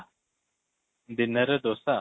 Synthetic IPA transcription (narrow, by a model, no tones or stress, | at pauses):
d̪inəɾəd̪osa